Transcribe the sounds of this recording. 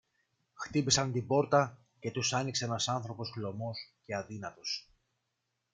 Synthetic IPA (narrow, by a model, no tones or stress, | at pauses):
xt̪ipisɐnt̪ibo̞ɾt̪ɐ | ce̞t̪usɐnikse̞enɐsɐnθɾo̞po̞sɣlo̞mo̞sce̞ɐðinɐt̪o̞s